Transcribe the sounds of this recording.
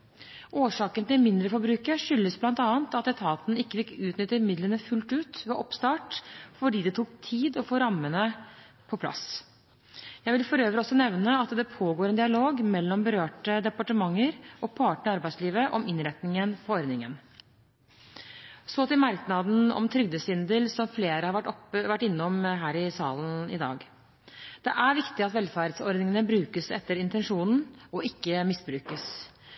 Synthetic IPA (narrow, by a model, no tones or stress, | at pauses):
ʔoːʂɑːkənt̪ɪlmɪnd̪ɾəfɔɾbɾʉːkəʂʏlːəsblɑnt̪ɑːənt̪ɑt̪ːɛt̪ʰɑːt̪n̩ɪkːəfɪkːʉːt̪nʏt̪ːəmɪd̪lənəfʉlt̪ʉːt̪ʋeːʔɔpst̪ɑːʈfɔɖiːd̪ɛt̪ʰukt̪ʰiːd̪ɔfoːɾɑmːənə | pʰɔpʰlɑ̰s | jæɪʋɪlfɔɾøːʋəɾɔsːɔnɛʋnəɑt̪d̪ɛpʰoːɡoːɾɛnd̪ɪɑloːɡmɛlːɔmbəɾøːʈəd̪ɛpɑʈəmɑŋːəɾɔpʰɑːʈəɳɑɾbæɪsliːʋəʔɔmɪnɾɛt̪nɪŋənfɔɔɾd̪nɪŋən | sɔːt̪ɪmɑɾknɑd̪n̩ɔ̰mt̪ʰɾʏɡd̪əsʏnd̪əlsɔmfleːɾəhɑɾʋʈɔpʋæʈːɪnːɔmɦæːɾɪsɑːlnɪ̰d̪ɑ̰ːɡ | d̪̥ɛʔæɾʋɪkt̪ɪɑt̪ʋɛlfæɾd̪sɔɾd̪nɪŋənəbɾʉːkəsɛt̪ːəɾɪnt̪ɛnʂuːnn̩ɔɪkːəmɪsbɾʉːkəs